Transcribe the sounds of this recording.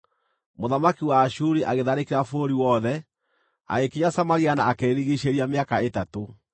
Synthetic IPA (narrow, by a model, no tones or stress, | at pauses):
moðamakiwaːʃuɾiʔaɣeðaɾekeɾafoɾiwɔðɛ | a̰ekiɲasamaɾianaːkeːɾiɣiɕeɾiameakaetato